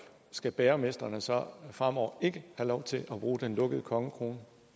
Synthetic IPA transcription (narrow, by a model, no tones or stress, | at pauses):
sɡ̥æb̥eːɐme̝sd̥ɐnəsɒ̽fʁam̰ɒʊ̰ɐe̝ɡ̥əhælɒʊt͡sʰe̝lʔæb̥ʁuːd̥enlɔ̽ɡ̥əð̞̩ˠəkʰɒ̽ŋəkʰʁo̝ːnə